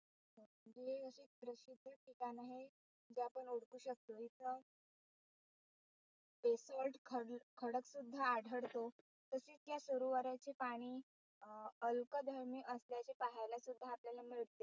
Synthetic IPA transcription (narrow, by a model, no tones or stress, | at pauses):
ɦməd͡ʑeəɕeb̪ɾəɕid̪ʱəʈʰikanaɦe | d͡ʑeapəɳuɽkuːɕək̚t̪oit͡sə | pesɔlʈkʰəkʰəɽəksud̪ʱːaːɽʱəɽt̪o | t̪əset͡sjasoɾuʋaɾat͡ɕepaɽ̃iː | əlkəd̪ʱəɾmiːʔəsljat͡ɕepaɦajlasud̪ʱːaːpljalamiɭt̪e